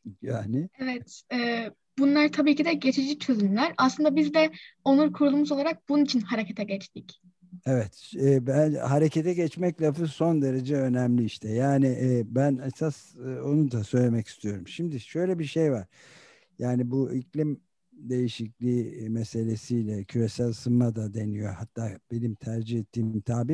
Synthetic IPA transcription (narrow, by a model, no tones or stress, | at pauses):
jaːnɪevɛt̪ɛː | bunlˠaɾt̪ʰabiːcid̪ɛɟe̞t͡ʃʰid͡ʒit͡ʃʰø̞zymlʲæɾaslˠɯnd̪abizd̪ɛo̞nˠuɾkʰuɾulˠumuzo̞lˠaɾak̚b̥ununit͡ʃʰinhaɾecʰet̪ʰɛɟɛt͡ʃt̪ic | evɛt̪ɛːbæhaɾecʰet̪ʰɛɟɛt͡ʃmɛclʲafɯso̞nd̪e̞ɾe̞d͡ʒɛø̞næmlʲiiʃt̪ʰɛjaːnɪʔːbænesaso̞nud̪asø̞jlʲe̞mɛci̥st̪ʰijo̞ɾumʃimd̪iʃø̞jlʲɛbiʃejvaɾ̥ | jaːnibuʔiclʲim | d̪e̞jiʃiclʲiːmese̞lʲe̞sijlʲɛcʰyɾe̞sælʲsɯnːad̪ad̪e̞nijo̞hat̪ːaːb̥e̞nimt̪ʰæɾd͡ʒihɛt̪ʰːiːmimt̪ʰaːbi